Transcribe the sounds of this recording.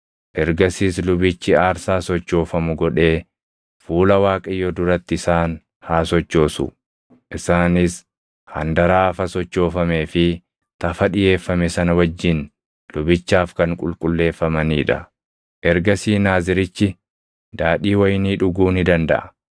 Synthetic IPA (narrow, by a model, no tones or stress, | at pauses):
ʔɛɾɡɐsiːslʊbɪt͡ʃːɪaːɾsaːsɔt͡ʃːo̞ːfɐmʊɡɔᶑe̞ː | fuːlɐwaːkʼɐjːɔd̪ʊɾɐt̪ːɪɪsaːn | haːsɔt͡ʃːo̞ːsʊ̰ | ʔɪsaːnɪs | hɐ̰nd̪ɐɾaːfɐsɔt͡ʃːo̞ːfɐme̞ːfɪ | t̪ɐfɐᶑɪje̞ːfːɐmɛsɐnɐwɐd͡ʒːɪn | lʊbɪt͡ʃːaːfkɐŋkʼʊlkʼʊlːe̞ːfːɐmɐniːᶑɐ | ʔɛɾɡɐsiːnaːzɪɾɪt͡ʃːɪ | d̪aːᶑiːwɐjniːᶑʊɡuːnɪd̪ɐnd̪ɐ̰ʔɐ